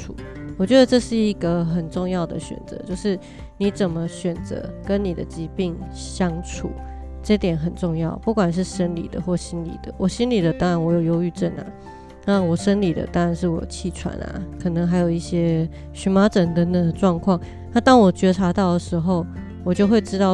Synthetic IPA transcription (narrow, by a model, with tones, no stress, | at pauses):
u˨˩wɔ˨˩t͡ɕɥɛ˧˥d̪ə˨˧ʈ͡ʂɤ˥˧ʂɻ̩˥˩i˧˦ɡə˧xə˨˩nʈ͡ʂʊ˥˧ŋjɑ˥˩ʊd̪ə̰˨ɕɥɛ̰˨˩nt͡sɤ̰˧˦t͡ɕjo˥˧ʊʂɻ̩˥˩ | ni˨˦˥t͡sə˨˩nmə˦ɕɥɛ˨˩nt͡sə̰˧˦kə˦nni˨˩d̪ə̰˦t͡ɕi˧˥pi˥˩ŋ | ɕjɑ˦˥ŋʈ͡ʂʰṵ˨˩˦ | ʈ͡ʂɤ˥˩t̪jɛ˨˩nxə˨˩nʈ͡ʂʊ˥˧ŋjɑ˥˩ʊpu˥˩kwa˨˩nʂ̬ɻ̩˥˩ʂə˥nlḭ˨˩d̪ə̰˦xwɔ˥˩ɕi˦˥nlḭ˨˩d̪̥ə̰˦wʔɔ˨˩ɕi˥nli˨˩d̪ə˦t̪ɑ˥ŋɻa˧˥nwɔ˧˥jo˨˩ʊjo˧˥ʊy˥˧ʈ͡ʂə˥˩na̰˨ | na˥˩wɔ˨˩ʂə˥nli˨˩d̪ə̰˨˦t̪ɑ˥ŋɻa˧˦nʂɻ̩˥˩wɔ̰˨˩t͡ɕʰi˥˩ʈ͡ʂʰwa̰˧˥na̰˩kʰɤ˨˩nɤ˧˦ŋɦa˧ɪjo˨˩ʊi˥˩ɕjɛ˥ | ɕy˧˥ma˥ʈ͡ʂə˨˩nt̪ə˧d̪ə˧˩d̪ə˨ʈ͡ʂwɑ˥˧ŋkʰwɑ˥˩ŋ | na˥˧t̪ɑ˥ŋwɔ˨˩t͡ɕɥɛ˧˥ʈ͡ʂʰa˧˥t̪ɑ˥˩ʊd̪ə˩ʂɻ̩˧˥xo˥˩ʊ | wɔ˨˩t͡ɕjo˥˧ʊxwe˥˩ɪʈ͡ʂɻ̩˥t̪ɑ˥˩ʊ